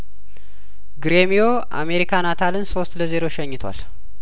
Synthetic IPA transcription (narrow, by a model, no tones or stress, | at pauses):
ɡɾemijo̞ | ʔa̰me̞ɾikʰanat̪ʰalɨnso̞st̪ləze̞ɾo̞ʃɛɲːɪt̪ʰwa̰l